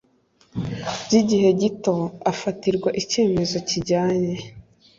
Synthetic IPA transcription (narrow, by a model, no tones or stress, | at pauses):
bɟiɟiɦe̞ɟito̞afatiɾɡwaʔice̞ːme̞zo̞ciɟaːɲe̞